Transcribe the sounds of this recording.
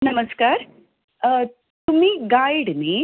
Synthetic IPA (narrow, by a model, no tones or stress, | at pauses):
nɐmɐskaːɾ | t̪umːiːɡaːjɖne